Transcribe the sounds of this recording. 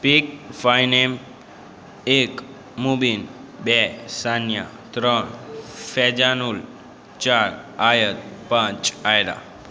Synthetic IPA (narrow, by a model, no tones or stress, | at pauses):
pikfajnem | ek | mubinbɛsanja | t̪ɾɔɳfɛd͡ʒanul | t͡ʃaɾajət̪̚pãt͡ʃajɾa̰